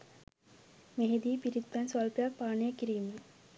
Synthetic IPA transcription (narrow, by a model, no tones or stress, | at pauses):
meɦed̪iːpiɾit̪ːansalpejak̚paːɳəjəkiɾiːme